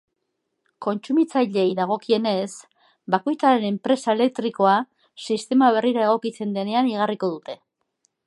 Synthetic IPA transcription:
ko̞nt͡sumit͡sajʎe̞jðaɣ̞o̞kie̞ne̞s | bako̞jt͡saɾe̞ne̞mpɾe̞sae̞le̞k̚t̪ɾiko̞a | sist̪e̞maβ̞e̞riɾae̞ɣ̞o̞kit͡se̞nd̪e̞ne̞aniɣ̞ariko̞ð̞ut̪e̞

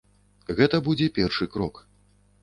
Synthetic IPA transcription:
ɣɛt̪ɐbud͡zʲɛpʲɛrʂɨkɾɔk

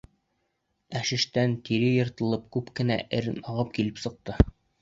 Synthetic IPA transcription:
æʃɘ̆ʃt̪ænt̪iɾɘjɤ̆ɾt̪ɤ̆lˠɤp̚kʉpkɘ̆næ̰ʔɘɾɘnɑʁɤp̚kilɘpsɤ̆q̚t̪ɤ

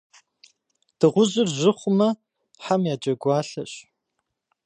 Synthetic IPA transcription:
d̥ɨʁʷʊʑɪrʑɪχʷʊmɐ | ħamjaːd͡ʒʼɐɡʷɑːɬɐ̰ɕ

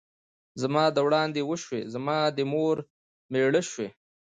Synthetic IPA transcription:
zamɑːd̪əwɽɑːnd̪ewəʃwezamɑːd̪əmoɾ | meɽəʃwe

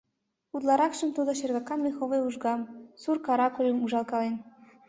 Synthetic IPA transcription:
ud̪lˠɑɾɑkʃɤ̆mt̪ud̪ɤ̆ʃerɣɑkːɑnmʲexoʋɤjuʒɡɑmsurkɑɾɑkulʲɤ̆muʒɑlˠkɑlen

